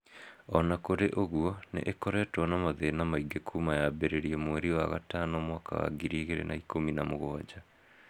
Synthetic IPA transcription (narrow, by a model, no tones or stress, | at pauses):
ɔnakoɾeʔoɣwɔnḛʔekɔɾɛtwɔnamaðenamaiɡekʰumajabeɾeɾiɛmweɾiwaɣa̰tanɔmwaːka̰wa̰ɡiɾiːɣeɾḛnʔaikominamoɣoad͡ʑa